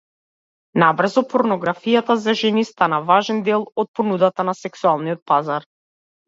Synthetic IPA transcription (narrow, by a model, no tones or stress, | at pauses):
nabr̩zɔpɔɾnɔɡɾafijat̪azaʒɛnist̪anavaʒɛnd̪ɛlˠɔt̪̚pɔnud̪at̪anasɛksualˠniɔt̪̚pazaɾ